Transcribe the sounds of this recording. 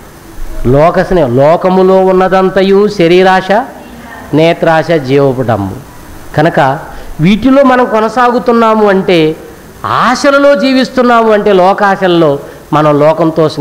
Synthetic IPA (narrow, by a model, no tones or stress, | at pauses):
lɔːkɐsnelɔːkɐmulo̞ːunːɐd̪ɐnt̪ɐjuʃɐɾiɾaːʂɐ | nɛːt̪ɾaːʂɐd͡ʒiːʋɐpɐɽɐ̰mːṵ | ɡɐnɐkɐʋiːʈilo̞ːmɐnɐmkɔnɐsaːɡut̪unːaːmuɐɳʈe̞ː | aːʂɐlɐlo̞ːd͡ʒiːʋist̪unːaːmuɐɳʈe̞ːlɔːkaːʃɐlɐlo̞ː | mɐnɐmlɔːkɐmt̪oːs